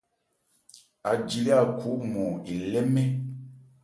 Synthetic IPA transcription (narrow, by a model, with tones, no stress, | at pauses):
a˨d͡ʒi˨li˦a˦˨kʰu˨˦mɔ˨i˨lɛ˦mɛ˦